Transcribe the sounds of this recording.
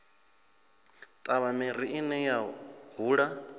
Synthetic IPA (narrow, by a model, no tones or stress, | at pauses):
t̪ʼaβameɾ̤iinɛjaɦuːɺa